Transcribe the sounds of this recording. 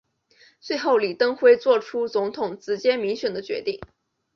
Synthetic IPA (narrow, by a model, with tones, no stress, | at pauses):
t͡swe˥˧ɪxo˥˩ʊli˨˩t̪ɤ˥ŋxwe˥ɪt͡swɔ˥˩ʈ͡ʂʰu˥t͡sʊ˧˥ŋt̪ʰʊ˨˩ŋʈ͡ʂɻ̩˧˥t͡ɕjɛ˥nmi˧˥ŋɕɥɛ˨˩nd̪ə˦t͡ɕɥɛ̰˧˥t̪i˥˩ŋ